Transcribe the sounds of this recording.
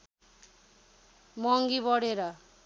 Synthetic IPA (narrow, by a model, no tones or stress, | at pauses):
mʌŋɡibʌɽeɾʌ